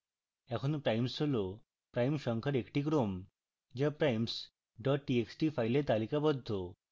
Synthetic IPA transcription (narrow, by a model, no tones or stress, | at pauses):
ɛkʰunupɾajmsolo | pɾajmɕəŋkʰəɾekʈikɾom | d͡ʑəpɾajms | ɖɔʈ̚ʈieksʈifajlet̪alikabɔd̪ʱːo